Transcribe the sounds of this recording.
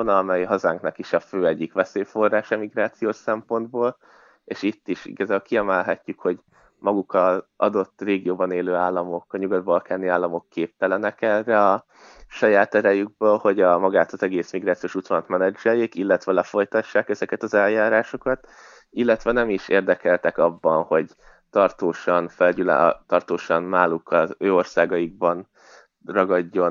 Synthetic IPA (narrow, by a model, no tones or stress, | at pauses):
onɒmɛjɦɒza̰ŋknɒkiʃɒføːɛɟːikʋɛseːfo̞rːaːʃɛmiɡɾaːt̪sijoːʃsɛmpo̞nd̪boːl | eːʃit̪ːiʃḭɡɒzaːbøːlkiɛmɛlɦɛcːykho̞ɟ | mɒɡukɒzɒ̰d̪o̞t̪ːreːɡijoːbɒneːløːaːlːɒmo̞kɒɲuɡɒd̪̚bɒlkaːniaːlːɒmo̞kːeːp̚t̪ɛlɛnɛkɛrːɛɒ | ʃɒjaːt̪ɛɾɛjyɡ̚bøːlho̞ɟɒmɒɡaːt̪ɒzɛɡeːsmiɡraːt̪sijoːʃut̪ʋɒnɒt̪mɛnɛd͡ʒɛlːeːkilːɛt̪ʋɛlɛfo̞jt̪ɒʃːaːkɛzɛkɛt̪ɒzɛljaːɾaːʃo̞kɒt̪ | ilːɛt̪ʋɛnɛmiʃeːrd̪ɛkɛlt̪ɛkɒbːɒnho̞ɟ | t̪ɒrt̪oːʃɒnfɛlɟylɛ̰t̪ɒrt̪oːʃɒnnaːlukʰɒzøːo̞rsaːɡɒiɡ̚bɒn | rɒɡɒɟːo̞n